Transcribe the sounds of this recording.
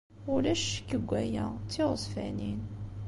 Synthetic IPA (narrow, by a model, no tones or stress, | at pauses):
ʊlæʃkːəɡʷːæjæt͡sːiʁəzˤfæ̰nin